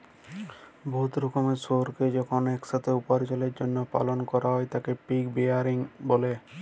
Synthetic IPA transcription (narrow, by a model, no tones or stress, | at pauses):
bʱot̪ɾɔkomeʃoɾked͡ʑɔkʰonɛkʃat̪ʰeupaɾt͡ɕoleɾd͡ʑonːopa̰lonkɔɾaɦɔet̪akepikbeaɾiŋbole